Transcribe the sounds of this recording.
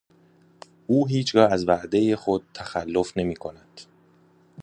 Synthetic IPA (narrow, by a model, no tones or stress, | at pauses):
ʔuːɦiːt͡ʃʰɡɒːæzvæʔd̪eje̞xo̞d̪̥̚t̪ʰːæxælːo̞fne̞miːkʰo̞næd̪̥